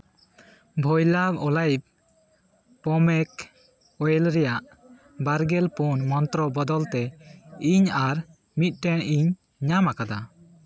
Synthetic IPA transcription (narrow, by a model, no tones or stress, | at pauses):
bʱɔjlabɔlajb̚ | pɔmɛk | ɔjɛlɾɛjaʔ | baɾɡɛlpunmɔnt̪ɾɔbɔd̪ɔlt̪ɛiɲaɾ | mit̪̚ˀʈɛnʔiɲ | ɲamakad̪a